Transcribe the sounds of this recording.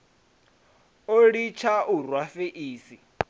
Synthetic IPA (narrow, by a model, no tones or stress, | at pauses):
oɺit͡ʃʰaʔurwafeʔiːsi